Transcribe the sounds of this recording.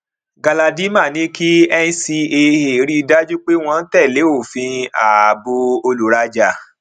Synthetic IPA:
ɡa˧la˧di˦ma˦˨nĩ˨˦ki˦ɛ˧n˦si˧e˧he˨˦ɾi˦˧da˦d͡ʒu˦k͡pe˦w̃ɔ̃˧n̩˦tɛ˦˨le˨˦o˦˨fĩ˧a˨bo˧o˧lu˨˦ɾa˧d͡ʒa˨

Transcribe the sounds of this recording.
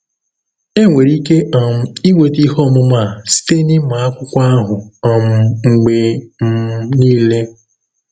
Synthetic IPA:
e˦ŋʷe˨ɾi˦ke˦ʔɔ˨m̩˦i˦ŋʷe˨ti˦ɦɔ˦˨mʊ˦ma˦˨si̥˦te˦nɪ˦ma˨a˦kʷʊ˦kʷa˦a˦ɦʊ˨ɔ˨m̩˦ŋ͡m̩˨ɡ͡be˨m̩˦niː˦le˦

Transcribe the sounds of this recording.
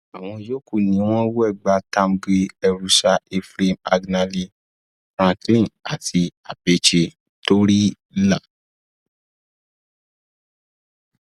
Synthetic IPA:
a˨w̃ɔ̃˧jo˦ku˦˨nĩ˨˦w̃ɔ̃˦wu˦ɛ˦˨ɡ͡ba˧˦tã˧mɡe˧ɛ˧ɾu˧ʃa˧e˧fɾe˧ma̰˧ɡna˧li˧ | fɾ̃ã˧klĩ˦˨a˨tʰi˧a˨be˦t͡ʃe˧ | to˦ɾi˦ | la˦˨

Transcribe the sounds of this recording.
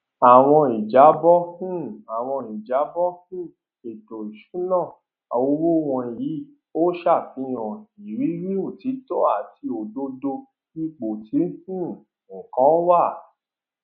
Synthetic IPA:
a˨w̃ɔ̃˧i˨d͡ʒa˨˦bɔ˦kĩ˦˨a˨w̃ɔ̃˧i˨d͡ʒa˨˦bɔ˦kĩ˦˨ | e˨to˨i˨ʃu˨˦nã˦˨ | a˧o˧˦ɾo˦w̃ɔ̃˧i˨ji˨˦ | o˦ʃa˦˨fĩ˧˦ɔ̃˨i˨ɾi˨˦ɾi˦o˦˨ti˨˦to˦a˦˨ti˧o˨do˧˦do˧ | i˦k͡po˨ti˨˦kĩ˦˨ | ŋ̩˨kã˨˦wa˦˨

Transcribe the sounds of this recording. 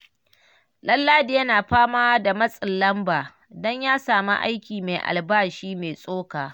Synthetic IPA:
lɐ˦lːaː˦dɪ˨jɐ˦naː˨ɸaː˦maː˦wa˦da˨mɐ˦sʼɪ˨lːɐ˦mbaː˨ | dɔ˦ɲjaː˦saː˨ma̰˦ʔa̰˦jkʲiː˨me˨ʔa̰˨lbaː˦ʃiː˦me˨sʼoː˦kaː˨

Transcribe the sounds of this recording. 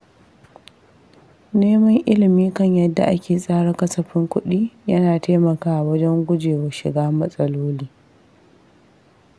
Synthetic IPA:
neː˦mɐ˦ŋʔɪ˦lɪ˨miː˦kɐ˦ɲjɐ˦dːa̰˨ʔa˦kʲeː˨sʼaː˦ɽa˦kɐ˦sɐ˨ɸɪ˦ŋkʷʊ˦ɗiː˦jɐ˦naː˨taː˦mɐ˨kaː˦ʔa˨wɐ˦d͡ʒɛ˦ŋɡʷʊ˦d͡ʒeː˨wɐ˨ʃɪ̰˨ɡaː˦mɐ˦sʼɐ˦loː˦liː˦

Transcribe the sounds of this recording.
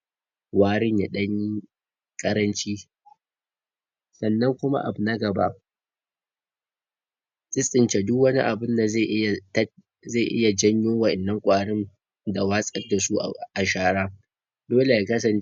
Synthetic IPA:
waː˦ɽɪ˦ɲja˨ɗɐ˦ɲi˦ | kʼɐ˦ɾɐ˦nt͡ʃiː˦ | sɐ˨nːɐ˦ŋkʷʊ˦ma̰˦ʔa̰˨bʊ˨nɐ˦ɡɐ˨ba̰˦ʔ | sʼɪ˦sʼɪ˨nt͡ʃe˨dʊ˦kwɐ˦nḭ˦ʔa˨bɪ˦nda˨za˦˨ʔɪ˦ja˨t | za˦˨ʔɪ̰˦ja˨d͡ʒɐ˦ɲjoː˦wɐ˨ʔɪ˨nːɐ˦ŋkʷʼaː˨ɽɪ˦n | da˨waː˦sʼɐ˦rda˨su˦˨a˨ʃaː˦ɽaː˦ | doː˦le˨ja˨kɐ˦s̬ɐ˨n

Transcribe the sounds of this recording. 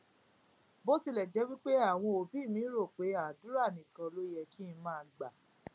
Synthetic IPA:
bo˦si˧lɛ˨d͡ʒɛ˨˦wi˦k͡pe˦a˦˨w̃ɔ̃˧o˨bi˦˨mĩ˨˦ɾo˦˨k͡pe˨˦a˨du˨˦ɾa˦˨nĩ˨kã˧lo˦jɛ˧ki˦˧˦mãː˦˨˧ɡ͡ba˨

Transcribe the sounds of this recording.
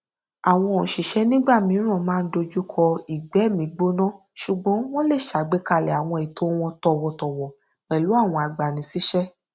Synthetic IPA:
a˨w̃ɔ̃˧ɔ̃˨ʃi˨ʃɛ˦nĩ˦ɡ͡ba˦˨mĩ˨˦ɾ̃ã˦˨mãː˦˧n̩˦do˧d͡ʒu˦kʰɔ˧i˨ɡ͡bɛ˨˦˨mĩ˨˦ɡ͡bo˦nã˦ | ʃu˨ɡ͡bɔ̃˨˦w̃ɔ̃˦le˦˨ʃa˨˦˨ɡ͡be˦ka˧lɛ˨a˨w̃ɔ̃˧i˨to˨˦w̃ɔ̃˧tɔ˧wɔ˧tɔ˨wɔ˨ | k͡pɛ˨lu˨˦a˦˨w̃ɔ̃˧a˧ɡ͡ba˨nĩ˨˦si˦ʃɛ˦

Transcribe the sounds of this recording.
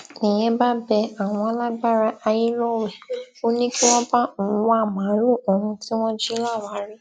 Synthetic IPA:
nĩ˨j̃ẽ˨˦ba˦bɛ˧a˨w̃ɔ̃˧a˧la˦ɡ͡ba˦ɾa˧ʔa˧ji˦lɔ˦wɛ˨o˦nĩ˦ki˦w̃ɔ̃˦ba˦u˨˦wa˦˨mã˨˦lo˦˨ɔ˨ɾũ˧ti˦w̃ɔ̃˦d͡ʒi˦la˦˨wa˨˦ɾi˦

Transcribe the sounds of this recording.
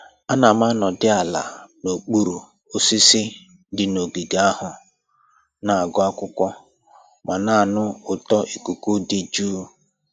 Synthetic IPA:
a˦na˨ma˦nɔ˨dɪ˦a˨la̰˨no˨k͡pu˦ɾu˨ | o˦si˦sɪ˦ | dɪ˨no˨ɡi˨ɡa˦a˦hʊ˨ | na˨a˨ɡʊ˦a˦kʷʊ˦kʷɔ˦ | ma˨na˨a˨nʊ˦ʊ˨tɔ˦ʔi˨ku˨ku˦dɪ˦d͡ʒuː˦

